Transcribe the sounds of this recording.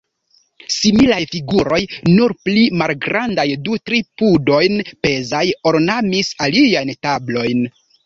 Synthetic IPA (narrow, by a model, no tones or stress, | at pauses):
similajfiɡuɾo̞jnuɾplimalɡɾandajdutɾipudo̞jnpe̞zajoɾnamisaliajntablo̞jn